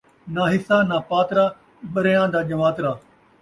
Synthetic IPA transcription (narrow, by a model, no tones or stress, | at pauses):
naːɦɪsaːnaːpaːt̪ɾaː | ɓɐɾejãːd̪aːʄɐʋaːt̪ɾaː